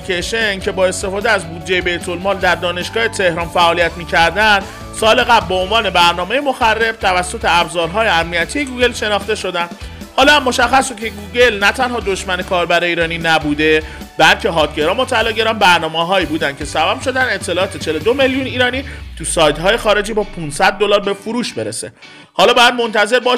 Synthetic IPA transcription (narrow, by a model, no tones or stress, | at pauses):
ikʰeʃencʰe̞bɒːe̞st̪e̞fɒːd̪eæzbuːd̪d͡ʒːe̞jebe̞jt̪ʰo̞lmɒːld̪æɾd̪ɒːne̞ʃɡ̥ɒːhe̞t̪ʰe̞hɾɒːnfæʔɒːlijæt̪miːcʰæɾd̪ænd̪ | sɒːle̞ɣæblbeonvɒːne̞bæɾnɒːme̞jemoxærːe̞b̚t̪ʰævæsːo̞t̪ʰe̞æbzɒːɾɦɒːje̞æmnijæt̪ʰije̞ɡuɡe̞lʃe̞nɒːxt̪e̞ʃo̞d̪ænd̪ | hɒːlɒːæmːo̞ʃæxːæsukcʰeɡuːɟe̞lnæt̪ʰænhɒːd̪o̞ʃmæne̞kʰɒːɾbæɾeiːɾɒːninæbuːd̪e̞ | b̥ælcʰe̞ɦɒːt̪ɟe̞ɾɒːmot̪ʰːæloːɟe̞ɾɒːnbæɾnɒːmeɦɒːiːbuːd̪æncʰe̞sæbæb̥ʃo̞d̪æne̞t̪ʰːe̞lɒːt̪ʰet͡ʃʰe̞lod̪ome̞ljuniːɾɒːniːt̪ʰusɒːjt̪ɦːje̞xɒːɾe̞d͡ʒiːbɒːpʰunsæd̪̚ːolɒːɾbe̞fuɾuːʃbe̞ɾḛse̞ | hɒːlɒːbɒːjæd̪mo̞nt̪ʰæze̞ɾbɒʃ